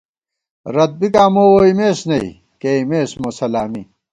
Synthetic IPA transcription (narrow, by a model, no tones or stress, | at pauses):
ɾɐt̪̚bikaːmoːwoimeːsnɐḭ | keimeːsmosɐlaːmḭ